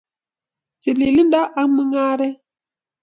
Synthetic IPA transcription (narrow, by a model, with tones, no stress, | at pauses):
ti˨li˨li˦nda˦ʔa˦ŋ˦mɨ˦ŋa˦ɾɛ˦